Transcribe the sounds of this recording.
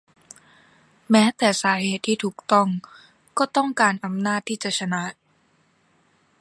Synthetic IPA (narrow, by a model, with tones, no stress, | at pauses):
mɛː˦˥t̪ɛː˨˩saː˩˦ɦeː˨˩t̪ʰːiː˥˩t̪ʰuː˨˩k̚t̪ɔ˥˩ŋ | kɔː˥˩t̪ɔ˥˩ŋkaː˧nʔa˧mnaː˥˩t̪ʰːiː˥˩t͡ɕa˨˩ʔt͡ɕʰa˧na˦˥